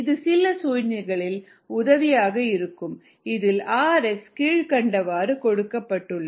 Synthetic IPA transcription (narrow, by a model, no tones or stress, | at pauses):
ɪðɯsɪlɐsuːjɲɪɣɐɭɪl | ʊðɐʋɪjaːɣɐɪɾɯkːɯm | ɪðɪlaːɾɛskɪɭkɐɳɖɐʋaːɾɯkɔɽɯkːɐpːɐʈːɯɭːɐ